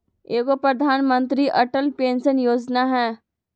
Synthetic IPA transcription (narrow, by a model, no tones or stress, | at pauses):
eːkopɾɐd̪ʱaːnmə̃nt̪ɾiʔɐʈəlpeːnsənjoːd͡ʒnaɦɛː